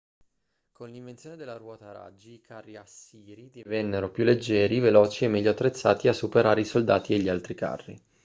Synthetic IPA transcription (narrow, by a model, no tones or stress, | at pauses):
kʰonliɱvent̪sjoːned̪elːaɾwɔːt̪aɾa̰d͡ʒːiːkʰarːiasiːɾid̪ivɛnːeɾopjulːed͡ʒːɛːɾivelɔːt͡ʃiemːɛʎːoat̪ːɾet̪sːaːt̪iasːupeɾaːɾeisold̪aːt̪ieʎːialt̪ɾika̰rːḭ